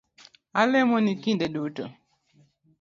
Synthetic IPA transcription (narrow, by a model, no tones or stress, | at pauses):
alɛmɔnikindeɗuːto̰